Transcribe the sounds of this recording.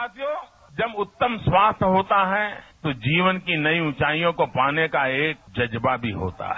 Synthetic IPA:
at̪joː | d͡ʒɐbʊt̪ːəmswaːst̪ʰɦoːt̪aɦɛt̪od͡ʒiːʋənkinɐiʊ̃t͡ʃaːijõkopaːnekaeːk̚d͡ʒɐd͡ʒbabʱiɦo̰ːt̪a̰ɦɛ

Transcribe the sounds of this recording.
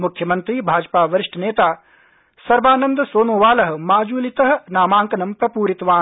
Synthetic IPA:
mukʰjɐmɐnt̪ɾiːbʱaːd͡ʒpaːʋɐɾɪʂʈʰɐneːt̪aː | sɐɾbaːnɐnd̪ɐsoːnoːʋaːlɐɦɐmaːd͡ʒuːlit̪ɐɦɐnaːmaːŋkɐnɐmpɾɐpuːɾit̪ʋaː

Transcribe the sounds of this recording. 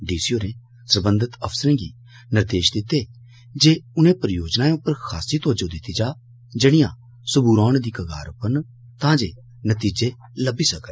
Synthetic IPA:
ɖiːsioːɾẽː | səɾbə̃nd̪ət̪əpʰsɾẽːɡiː | nɪɾd̪eːʃd̪ɪt̪eː | d͡ʒeːʊnẽːpɾəjoːd͡ʒnaːẽʊpːəɾkʰaːsiːt̪oːd͡ʒoːd̪ɪt̪ːid͡ʒaː | d͡ʒəɽ̃ɪjã̰ː | sʊbuːɾɔːɳ̃d̪iːkəɡa̰ːɾʊpəɾn | t̪ãːd͡ʒeː | nət̪iːd͡ʒeː | ləbiːsəkə

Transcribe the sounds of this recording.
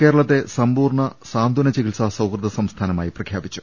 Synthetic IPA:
ke̞ːɾɐɭɐt̪ːe̞sɐmbuːrɳɐsaːnd̪ʱunɐt͡ɕiɡisɐsɐwkrɨd̪ɐsɐmst̪ʰaːnɐmaːjiprɐkʰjaːbit͡ɕːu̥

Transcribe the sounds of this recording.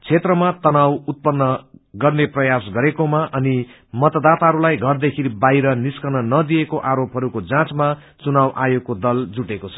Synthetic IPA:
t͡sʰet̪rʌmat̪ʌnawut̪̚pʌnːʌɡʌrneprʌjasɡʌɾekomaʔʌni | mʌt̪ʌd̪at̪aɦʌɾulajɡʱʌrd̪ekʰinibajɾʌniskʌnʌnʌd̪ijekoʔaɾopɦʌɾukod͡zãt͡sma | t͡sunawʔajokod̪ʌld͡zuʈekot͡sʰʌ̥

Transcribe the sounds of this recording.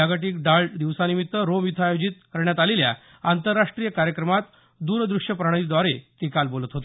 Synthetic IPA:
aɡaʈiːkɖaɭd̪iʋsanimit̪ːəɾomjut̪ʰaːjod͡ʑit̪̚kəɾɳjat̪alelja̰ | ant̪əɾːaʂʈɾijəkaɾjəkɾəmat̪ | d̪uːɾd̪ɾuʂjəpɾaɽ̃ə̃id̪ʋaɾet̪ikalbolət̪ɦot̪

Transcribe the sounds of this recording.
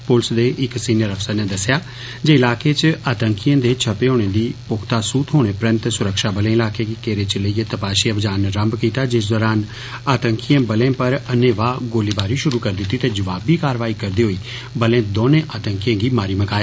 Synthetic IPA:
pʊlsd̪eːʔɪksiːnijəɾəfsəɾneːd̪əsjaː | d͡ʒeːɪlaːkeːt͡ʃaːt̪əŋkijãːd̪eːt͡ʃʰəpeːɦoːɽ̃eːd̪iːpʊkʰt̪aːsuːt̪ɦoːɽ̃eːpɾə̃nt̪sʊɾəkʃaːbəlẽːɪlaːkeːɡiːkeːɾeːt͡ʃləiːeːt̪əpaːʃiːəbd͡ʒaːnːeɾəmbkiːt̪aːd͡ʒɪs̬d̪ɔːɾaːn | aːt̪əŋkijãːbəlẽːpəɾənːẽːʋaːɡoːliːbaːɾiːʃʊɾuːkəɾd̪ɪt̪ːiːt̪eːd͡ʒəʋaːbiːkaːɾʋaːiːkəɾd̪iːɦoːiː | bəlẽːd̪oːnẽːʔaːt̪əŋkijãːɡiːmaːɾiːməkaːeaː

